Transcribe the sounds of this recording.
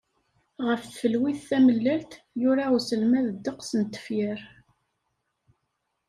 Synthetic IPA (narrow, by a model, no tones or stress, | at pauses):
ʁəfθfəlwiθːæməlːælt̪ | jʊɾausəlmæðəd̪ːəqsənt̪ːə̥fjəɾ